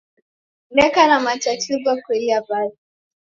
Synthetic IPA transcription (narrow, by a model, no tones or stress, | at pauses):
ekanamat͡ʃatibakʷeiabadi